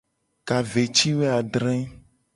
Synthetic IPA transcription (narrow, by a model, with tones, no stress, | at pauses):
ka˨ve˨t͡ʃi˦we˦a˨ɖɾɛ̃˦